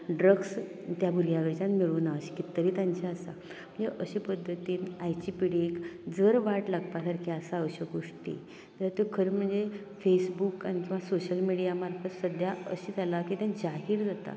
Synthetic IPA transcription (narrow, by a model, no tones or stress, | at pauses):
ɖɾəɡs | t̪jabuɾjaʋəɾt͡ɕãnmiɭunaəɕi̥kit̪ːəɾiːt̪jãɲt͡ɕaəsa | m̤əɳd͡zeʔəɕipəd̪ʱːət̪iːnajt͡ɕipiɽikd͡zəɾʋaʈlaɡpasaɾkʰeəsaəɕəɡoʂʈḭ | t̪əɾt̪okʰəɾm̤əɳd͡ze | fesbukañit̪ʰĩʋ̤asoɕəlmiɽijamaɾfʰət̪səd̪ʱjaəɕiːd͡zʱalakit̪ãnd͡ʑaɦiːɾd͡zat̪a̰